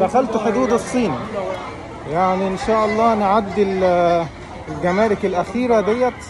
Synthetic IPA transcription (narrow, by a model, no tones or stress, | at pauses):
d̪æxælt̪ħʊd̪uːd̪ɑsˤːiːn | jaʕniʔɪnʃaːʔɑlˤːɑːnʕad̪ːɪl | lɡæmæːlɪkɪlʔæxiːɾad̪ejːæt̪